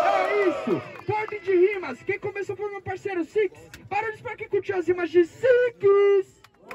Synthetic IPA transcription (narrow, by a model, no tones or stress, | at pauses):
paɾaisʊpoɾp̪ĩd͡ʒɪhĩmɐskẽj̃komesɐ̃foɾmɐ̃paɾsejɾʊsikɪ̥spaɾõlɪspaɾɐkekuɾt͡ʃiw̃ɐzimɐzd͡ʒɪsikɪs